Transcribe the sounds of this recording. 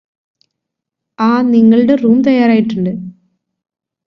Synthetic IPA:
aːniŋːɐɭɨɽeruːmt̪ɐjːaːɾaːjiʈːuɳɖɨ

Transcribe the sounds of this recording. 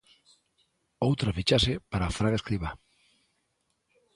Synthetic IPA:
owt̪ɾafit͡ʃaʃepaɾaːfɾaɣaeskɾiβa

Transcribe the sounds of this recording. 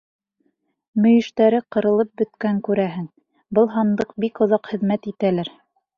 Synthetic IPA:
mɵ̆jɘ̆ʃt̪æɾɘqɤ̆ɾɤ̆lˠɤp̚bɵ̆t̪kæŋkʉɾæɦɘŋ | bɤlˠɦɑnd̪ɤq̚bikŏðɑqhɘ̆ðmæt̪it̪ælæɾ

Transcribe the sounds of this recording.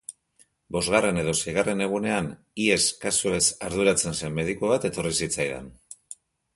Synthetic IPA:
bo̞zɣare̞ne̞ð̞o̞sejɣ̞are̞ne̞ɣ̞une̞an | ie̞skasue̞saɾðuɾat͡se̞nse̞mːe̞ðikuβ̞at̪e̞t̪o̞risit͡sajðḛn

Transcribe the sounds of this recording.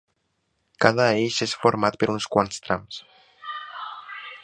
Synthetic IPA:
kaðaejʃesfoɾmat̪peɾunskwanst̪ɾams

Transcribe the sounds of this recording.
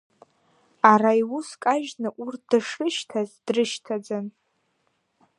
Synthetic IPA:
araiwuskʼaʒnɨʔurt̚ʰd̥ɨʂɨʃtʰazd̥rɨʃtʰad͡zan

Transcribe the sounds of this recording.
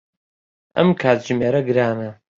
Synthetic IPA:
ʔɐ̰mkʰaːt̪ʒɨmeːɾɐɡɨɾaːnɐ

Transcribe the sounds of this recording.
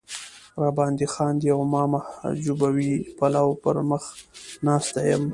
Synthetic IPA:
ɾɑbɑnd̪ixɑnd̪əjawmɑmad͡ʒubawipalawpəɾməxnɑst̪ajəm

